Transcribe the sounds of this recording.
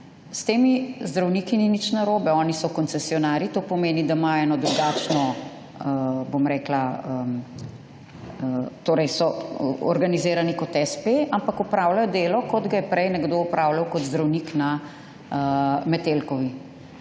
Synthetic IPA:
st̪eːmizd̪ɾawnikininit͡ʃnaɾoːbɛɔːnisɔkɔnt̪sɛsiɔnaːɾit̪oːpɔmeːnid̪amajɛːnɔd̪ɾuɡaːt͡ʃnɔ | bomɾɛːklaə | t̪oːɾɛjsɔɔ̰ɾɡanizeːɾanikɔt̪ɛspeampakupɾawlajɔd̪eːlɔkɔd̪ɡajɛpɾɛjnɛɡd̪oupɾʔawlawkɔd̪zd̪ɾawnikna | mɛt̪elkɔʋi

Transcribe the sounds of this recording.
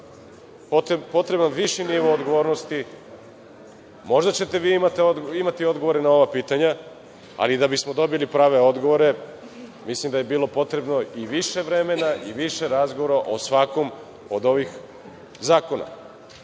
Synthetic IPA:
pot̪po̞t̪ɾe̞banʋiʃiniʋood̪ɡo̞ʋo̞ːɾnost̪i | mo̞ʒd̪at͡ɕet̪e̞ʋiːmat̪eoimat̪io̞d̪ɡo̞ʋo̞ɾenao̞ʋapiːt̪aɲa | a̰lid̪abismo̞d̪o̞bilipɾaːʋeo̞d̪ɡo̞ʋo̞ɾe̞ | mislimd̪ajebiːlo̞po̞t̪ɾe̞bno̞iʋiʃe̞ʋɾe̞me̞naʔiʋiʃe̞ɾazɡoʋoɾaʔosʋako̞m | od̪o̞ʋix | zaːko̞na̰

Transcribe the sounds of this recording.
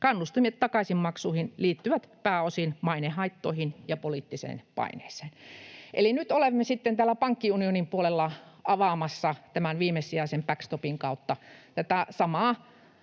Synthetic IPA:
kɑnːust̪imiet̪t̪ɑkɑsimmɑksuːhinliːt̪ːyʋæt̪pæːosinmɑinehɑit̪ːoihinjɑpoliˑt̪ːisḛːnpɑ̰ine̥̰ːse̥ːnʔḛlinyt̪olemːesit̪ːent̪æːlːæpɑŋkːiunionimpuolelːɑɑʋɑˑmɑsːɑt̪æmænʋiːmesiɑisempækst̪opiŋkɑut̪ːɑt̪æt̪æsɑmɑː

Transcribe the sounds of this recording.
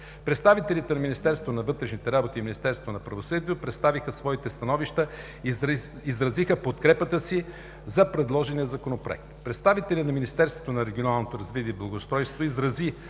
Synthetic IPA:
pɾɛt̪st̪avit̪ɛlʲit̪ɛnɐminist̪ɛɾst̪vonɐvɤt̪ɾɛʃnit̪ɛɾabot̪iminist̪ɛɾst̪vonɐpɾɐvosɤd̪iːt̪opɾɛt̪st̪avixəsvɔit̪ɛst̪ɐnɔviʃt̪ə | izɾɐzixəpot̪kɾɛpət̪əsi | zɐpɾɛd̪lˠɔʒɛnijəzɐkonopɾoɛ̰k̚t̪pɾɛt̪st̪avit̪ɛlʲinɐminist̪ɛɾst̪vo̥t̪onɐɾɛɡʲionalˠnot̪oɾɐzvit̪ʲiəiblˠɐɡost̪ɾɔjst̪voizɾɐzi

